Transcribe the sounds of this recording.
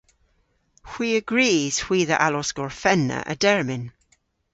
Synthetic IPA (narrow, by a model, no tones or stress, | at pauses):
hw̥iːəɡɹiːz̥hw̥iːðə̰ʔalɔsɡ̥ɔɹfɛnːə̰ʔə̰dɛɹmɪ̃n